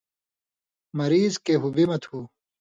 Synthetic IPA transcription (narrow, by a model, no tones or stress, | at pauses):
mɐɾiːzkeːɦubimɐt̪ʰhuː